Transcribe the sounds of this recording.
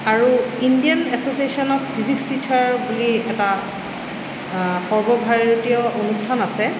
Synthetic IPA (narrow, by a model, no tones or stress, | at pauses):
aɹuindijanɛsosiesɔnɔk̚bʰizikstit͡ʃʰaɹbuliɛta | xɔɹbɔbʱaɹotiɔʔonustʰanasɛ